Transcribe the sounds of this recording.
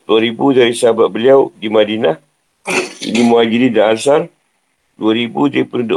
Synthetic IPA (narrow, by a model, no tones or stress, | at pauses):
d̪uaɾibudaɾisəɦabat̪̚bəliawdimadinah | ḭlimuaɡilidaːlsan | duaɾibudaipənudo